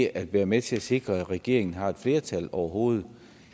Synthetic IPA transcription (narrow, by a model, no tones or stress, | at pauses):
ʔæd̥ʋæːɐmet͡sʰe̝æse̝ɡ̥ʁɐæ̥ʁɛɡ̥e̝̰ɐ̰e̝ŋn̩ɦɑ̈e̝d̥fle̝ːɐt͡sʰælɒʊɐɦo̝ːð̞̩ˠ